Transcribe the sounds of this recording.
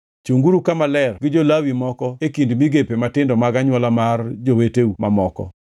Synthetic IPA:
t͡ʃuŋɡuɾukamalɛrɡɪd͡ʒolawimɔkɔekindmiɡepematɪndɔmaɡaɲwalamard͡ʒoweteumamɔkɔ̰

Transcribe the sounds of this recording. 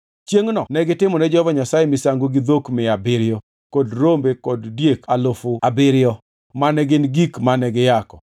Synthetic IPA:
t͡ʃjeŋnɔnɛɡɪtɪmɔnɛd͡ʒɔvaɲasajemisaŋɡoɡɪd̪okmɪabɪɾɪjɔ | kodɾombekoddjekalofʊabɪɾɪjɔ | manɛɡɪnɡikmanɛɡɪjakɔ̥

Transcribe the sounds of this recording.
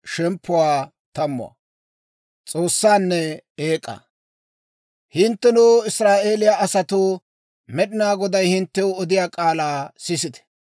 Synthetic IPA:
ʃɛmpʰːʊwaː | t̪ɐmːʊ̰a̰ | t͡sʼo̞ːsːaːnːɛeːkʼːa̰ | hɪnt̪ːɛnuːɪsɾaːʔe̞ːlɪjaʔɐsɐt̪ʊ | mɛɗɪnaːɡɔd̪ɐjhɪnt̪ːɛʊɔd̪ɪjaːkʼaːlaːsɪsɪd̪ɛ̥

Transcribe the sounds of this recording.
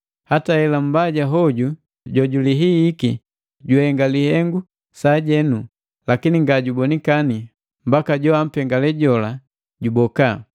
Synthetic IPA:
hatahɛlam̩baɟaɦɔɟu | ɟɔɟuliɦiːki | ɟuhɛŋɡalihɛŋɡu | saɟɛnu | lakiniŋɡaɟubɔnikani | m̩bakaɟɔam̩pɛŋɡalɛɟɔla | ɟubɔka

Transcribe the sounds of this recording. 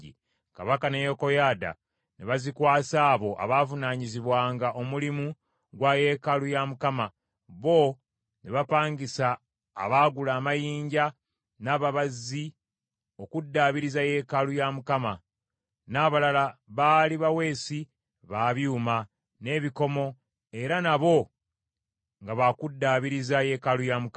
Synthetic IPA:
ḭ | kaβakane̞jo̞ko̞jaːda̰ | neβazikwaːsaːβo̞ʔa̰βavunaːɲiziβwaːŋɡaʔo̞mulimu | ɡwaje̞ːkalujamukama | βo̞ | neβapaːɲɡisa̰ː | βaːɡulaːmajiːɲɟa | naːβaβazːi | o̞kudːaβiɾizaje̞kalujamukama | naːβalalaβaːliβawe̞ːsi | βaːβjuːma | ne̞ːβiko̞mo̞ | e̞ɾanaβo̞ | ŋɡaβakudːaːβiɾizaje̞ːkalujamuk

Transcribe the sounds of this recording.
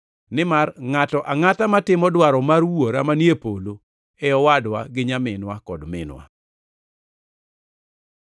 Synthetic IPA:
nɪmarŋatɔʔaŋatamatɪmɔdwaɾɔmaɾwoɾamanjepolo | ɛɔwadwaɡɪɲamɪnwakɔdmɪ̰nwa̰

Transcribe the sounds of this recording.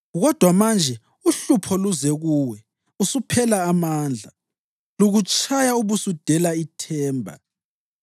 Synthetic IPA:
ɣɔd̥ʱwamand͡ʒʱɛ | uɬupʰɔluzɛɣuwɛ | usupʰɛlaːmaːnd͡ɮʱa | luɣut͡ʃʼʰajauβusud̥ʱɛlaitʰɛːmbʱa̰

